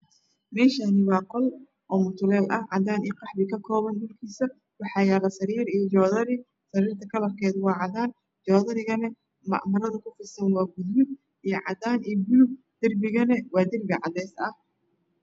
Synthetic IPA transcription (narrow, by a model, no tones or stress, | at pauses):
mɛːʃaːnɪwɑːqɔl | ʔɔːmʊt̪ʰʊlɛːlʔɐhʕɑ̰d̪aːniqɑħbɪkʰɐkʰɔːβɐnɗʊlkʰiːsɐ | wɑħɑːjaːɣɐsɐɾiːɾijɔt͡ʃɔːðɐɾɪ | sɐɾiːrt̪ʰɐkʰɐlɐrkʰɛːd̪wɑːʕɑðaːn | d͡ʒɔːðɐɾɪɣɐnɛ | mɐ̰ʔmɐɾɐðɐkʰʊfɪsɐnwɑːɡʊðmɪd̪ | ijɞʕɑ̰d̪aːnijɡʊlʊb̚ | d̪̥ɪrbɪɣɐnɛwɑːd̪ɪrbɪʕɑ̰d̪ɛːsɐh